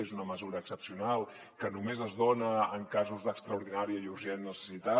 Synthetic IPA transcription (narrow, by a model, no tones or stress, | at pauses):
ezunəməzuɾəːksəpsiunalˠ | kənumezəzðonəəŋkazuzðəkst̪ɾəuɾðinaɾiəiuɾʒɛnːəsə̥sit̪a